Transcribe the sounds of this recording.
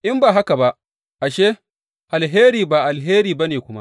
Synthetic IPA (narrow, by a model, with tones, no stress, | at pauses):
ʔɪ˦mbaː˨ɦa˦ka˨ba˦ʔ | ʔa˨ʃeː˦ | ʔa˨lɦeː˦ɾiː˨baː˨ʔa˨lɦeː˦ɾiː˨ba˦neː˨kʷʊ˦ma̰˦ʔ